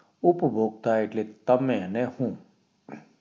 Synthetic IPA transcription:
ʊpbʱoːɡ̚t̪aːɪʈlet̪ɐmɛ̃nɛhũː

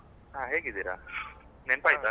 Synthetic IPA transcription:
ɦãːɦeːɡid̪iɾa̰ | nenpaːjit̪a

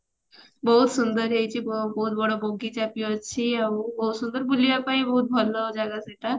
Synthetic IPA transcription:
bəɦut̪sund̪əɾɦejt͡ɕibbəɦut̪̚bəɽ̤oboɡit͡ɕapjoət͡ɕʰiaubɦut̪sund̪əɾbulijapaibəɦut̪̚bʱɔlɔd͡ʑaɡaseʈa

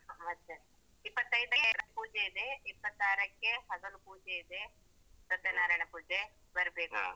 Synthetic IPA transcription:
ʋɐt̪ːt͡ʃɐ | ipːɐt̪ːɐjd̪ɐɾɐpuːd͡ʒeid̪eipːɐt̪ːaːɾɐkːeɦɐɡ̪ond̪upuːd͡ʒeid̪e | sɐt̪ːjɐnaːɾaɐjɳɐpuːd͡ʒe | bɐɾɐbeːku

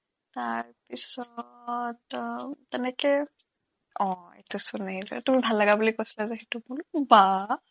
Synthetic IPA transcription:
taɹpisɔttɛnɛkɛ | ɔ̃ḛtusʊneilɛtumibʱalːaɡabulikojsi̥lazɛxetubulba

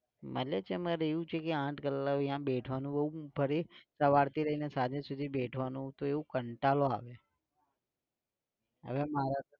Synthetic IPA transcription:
mə̰ljet͡ʃʰemaɾeʋũt͡ʃʰekeãʈʰkəlːəkijãbeʈʰʋanũbəɦubʱəɾisəʋaɽt̪iɾəinesad͡ʒẽsud̪ʱibeʈʰʋanũt̪oeʋũkəɳʈaloa̰ʋe | ə̰ʋemaɾa

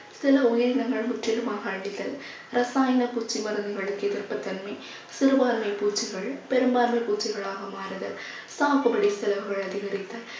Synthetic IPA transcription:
sɪlɐʊjɐɾɪnɐŋɡɐɭmʊʈrɪlɯmaːɣɐːɭːɪðɐl | rɐsaːjɐnɐpuːt͡ʃːiʋɐɾɐnɐɪɣɐɭɯkːet̪ɪrpːɐt̪ːɐnmɐ | sɪɾɯʋaːɾmɐɪpuːt͡ʃːiɣɐɭpɛɾɯmbaːɾmɐɪpuːt͡ʃːiɣɐɭaːɣɐmaːɾɐðɐ̰l | saːpɐbɐɽisɛlɐʋɯɣɐɭɐðɪɣɐɾɪt̪ːɐ

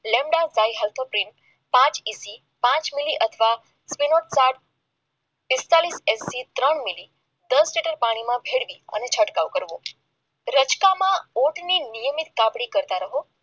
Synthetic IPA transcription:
lemɖazaiɦɛlt̪ʰopɾiɳ | pãt͡ʃisi | pãt͡ʃmiliʔət̪ʰʋa | spinoʈsaʈ̚ | pɪst̪alisesːit̪ɾəɳmili | d̪əsliʈəɾpaɽ̃imãbʱeɽʋiə̰net͡ʃʰəʈkaʋkəɾʋo | ɾət͡ʃkamãoʈninijəmit̪kãpɽikəɾt̪aɾəɦo

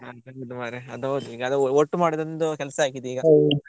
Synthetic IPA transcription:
aɐud̪umaːɾeɐd̪ɦod̪uiːɡɐːd̪ɔʈːumaːɽid̪ond̪ukɛlɐsɐaːɡid̪eiːɡɐ

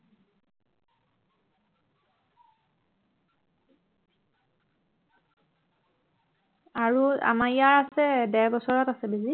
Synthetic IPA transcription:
aɹua̰majaɹasɛdɛɹbɔsɔɹatasɛbezi

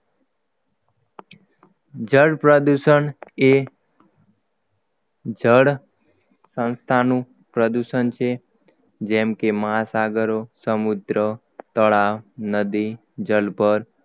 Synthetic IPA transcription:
d͡ʒəɽpɾəd̪uʃəɳe | d͡ʒəɽ | sə̃nst̪ʰanũ | pɾəd̪uʃənt͡ʃʰe | d͡ʒɛmkeməɦasaɡəɾosəmud̪ɾə | t̪əɭaʋnəd̪i | d͡ʒəlpəɾ

